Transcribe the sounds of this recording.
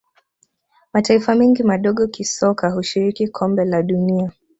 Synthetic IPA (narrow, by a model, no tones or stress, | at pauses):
mataifamɛŋɡimaɗɔɠɔkisɔkʰaɦuʃiɾikikʰɔmbɛlaɗunia